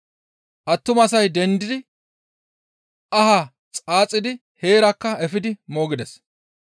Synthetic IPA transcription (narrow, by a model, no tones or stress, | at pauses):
ʔɐt̪ːʊmɐsɐjd̪ɛnd̪ɪd̪ɪ | ɐha | t͡sʼaːt͡sʼːɪd̪ɪ | he̞ːɾɐkːɐɛfɪd̪ɪmo̞ːɡɪd̪ɛs